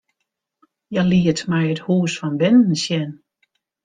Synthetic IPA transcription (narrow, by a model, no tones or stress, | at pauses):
jaliətmɛjəthuːsfɔnbɪnn̩sjɛn